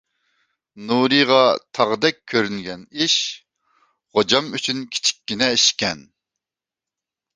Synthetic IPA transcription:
nuɾɨʁɑt̪ʰɑʁəd̪ɛk̚ʲʰːøɾynɡʲɛniʃ | χod͡ʒɑmyt͡ʃʰynkʲʰi̥t͡ʃʰi̥kʲːinɛiʃkʲɛn

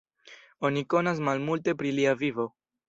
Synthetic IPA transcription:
o̞niko̞nas̬malmulte̞pɾiliavivo̞

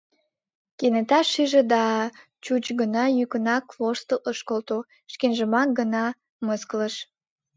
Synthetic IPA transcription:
kenet̪ɑʃiʒed̪ɑ | t͡ɕut͡ɕɡənɑjykənɑkvoʃt̪əlʔəʃkolt̪o | ʃkenʒəmɑk̚ɡənɑ | məskləʃ

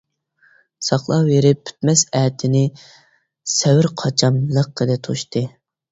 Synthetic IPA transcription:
sɑχlˠɑjeɾɪpʰːy̥t̪mɛsɛːt̪ʰɪnɪ | sɛwɪɾqʰɑt͡ʃʰɑmlˠəqːəlɪt̪ʰo̰ʃt̪ɨ

